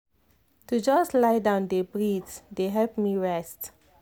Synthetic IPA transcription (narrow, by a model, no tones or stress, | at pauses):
tud͡ʒɔslajdãʊ̃ndebɹitdeɦɛlp̚miɹɛst